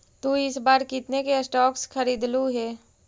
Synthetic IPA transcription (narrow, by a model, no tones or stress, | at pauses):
t̪uːɪsbaːɾkɪt̪nekesʈɔːksxʰɐɾiːd̪luɦɛː